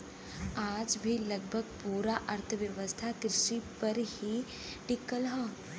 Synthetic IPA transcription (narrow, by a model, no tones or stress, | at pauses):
aːd͡ʒbʱilɐɡ̚bʱəɡ̚puːɾaʔɐɾt̪ʰəʋjɐʋəst̪ʰakɾɪʃipɐɾhi | ɖɪkːəlɦɔː